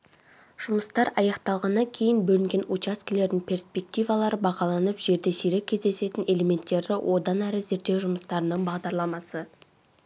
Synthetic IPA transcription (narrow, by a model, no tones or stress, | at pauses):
ʒ̥ʊməst̪ɑɾɑjɑqt̪ɑlˠʁɑnːɑkʲʰe̞jɪnbɵlɪŋɡʲe̞nut͡ʃɑskʲele̞ɾd̪ɪŋpʲʰe̞rspe̞k̚t̪ijvɑlˠɑɾəbɑʁɑlˠɑnəpʒ̥e̞ɾd̪e̞sijɾekʲʰːezd̪e̞se̞t̪ɪne̞leme̞nt̪ːe̞ɾd̪ɪwʔo̞d̪ɑnæɾɪze̞ɾd̪e̞wʒʊməst̪ɑɾənəɴbɑʁd̪ɑɾlˠɑmɑsə